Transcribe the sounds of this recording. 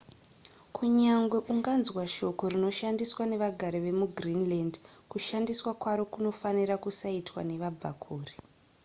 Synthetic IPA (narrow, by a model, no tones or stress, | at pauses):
kʰuɲaŋɡwe̞ʔuŋɡanzwaʃo̞ko̞rino̞ʃandiswane̞ʋaɡʱaɾiʋe̞muɡrinlandkuʃandiswakwaɾo̞kuno̞fanirakusaitwa̰ne̞ʋaba̰kʰuːri̥